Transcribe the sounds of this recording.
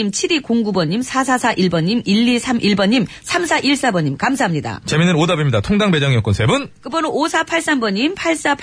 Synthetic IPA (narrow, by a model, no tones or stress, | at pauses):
imt͡ɕʰiɾikoŋɡubʌɲimsʰasʰasʰaʔiɭbʌɲimiʎːisʰamʔiɭbʌɲːim | sʰamsʰaʔiɭs͈abʌɲimkamsʰaɦamɲida̰t͡ɕeminɯnodabimɲidatʰoŋdaŋbe̞d͡ʑʌŋiʌk͈ʌnsʰe̞bunkɯbʌnoosʰapʰaɭs͈ambʌɲimpʰaɭs͈apʰ